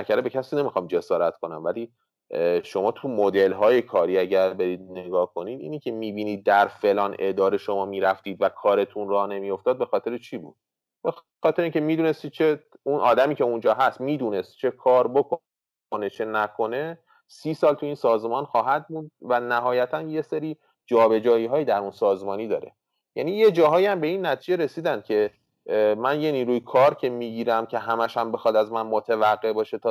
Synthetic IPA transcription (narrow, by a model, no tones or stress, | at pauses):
ækʰæɾebecʰæsiːne̞mixɒːmd͡ʒe̞sɒːɾæt̪kʰo̞næmvæliː | ʃo̞mɒːt̪ʰumod̪e̞lɦɒːje̞kʰɒːɾiːæɟæɾbe̞ɾiːd̪̚ne̞ɡɒːhkʰo̞niːd̪ḭːnicʰe̞miːbiːniːd̪̚ːæɾfe̞lɒːnʔe̞d̪ɒːɾe̞ʃo̞mɒːmiːɾæft̪iːd̪vækʰɒːɾe̞t̪ʰunrɒːne̞mijo̞ft̪ɒːd̪̚be̞xɒːt̪ʰe̞ɾet͡ʃʰiːbṵːd̪̥ | be | xɒːt̪ʰeɾeiŋcʰemiːd̪uːne̞st̪iːd̪̥̚t͡ʃʰe | unʔɒːd̪æmiːce̞und͡ʒɒːɦæst̪miːd̪uːne̞st̪̚t͡ʃʰe̞kʰɒːɾbokʰo | ne̞t͡ʃʰe̞nækʰo̞ne̞ | siːsɒːlt̪ʰuiːnsɒːzmɒnxɒːɦæd̪mund̪̚vænæɦɒːjæt̪ʰænje̞seɾi | d͡ʒɒːbe̞d͡ʒɒːiːɦɒːjid̪æɾunsɒːzmɒːniːd̪ɒ̰ːɾe̞̰ | jænije̞d͡ʒɒːɦɒːjæmbe̞inːæt̪ʰiːd͡ʒe̞ɾe̞siːd̪ænd̪̥̚cʰe̞ | mænje̞niːɾuːjekʰɒːɾcʰe̞miɟiːɾæmcʰe̞ɦæmæʃæmbe̞xɒd̪æzmænmot̪ʰevæɢːe̞bɒːʃe̞t̪ʰɒ